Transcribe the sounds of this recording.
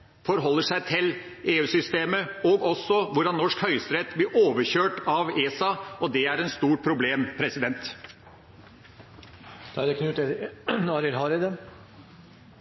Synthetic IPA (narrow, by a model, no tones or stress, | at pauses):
fɔɾɦɔlːəʂæɪt̪ʰɪl | ʔeːʉːsʏst̪eːməɔɡɔsːɔʋʊɖɑnnːɔʂkhœʏst̪ɾɛt̪blɪɾʔoːʋəɕøːʈɑʋeːsɑɔd̪ɛæɾɛnst̪uːʈpʰɾʊbleːmpʰɾɛsɪd̪ɛnt̪ | t̪ʰɑːd̪ɛkʰnʉːt̪ənɑːɾɪlɦɑːɾəd̪ə